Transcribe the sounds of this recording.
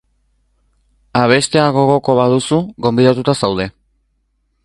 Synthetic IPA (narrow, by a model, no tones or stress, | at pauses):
aβ̞e̞st̪e̞aɣo̞ɣ̞o̞ko̞βaðusuɣo̞mbiðat̪ut̪asawð̞e̞